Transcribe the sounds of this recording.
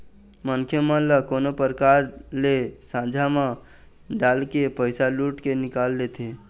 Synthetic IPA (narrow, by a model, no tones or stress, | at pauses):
mənkʰjəmə̃ləkoːnopəɾkaɾlesãd͡ʒʱamã | ɖaːlkepəɪsaluːʈkenɪkalːet̪ʰe